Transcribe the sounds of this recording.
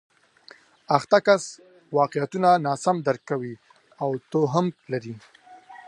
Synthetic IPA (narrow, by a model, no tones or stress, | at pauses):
axt̪akas | wɑqejat̪unanɑsamd̪aɾkawi | awt̪oɦamlaɾi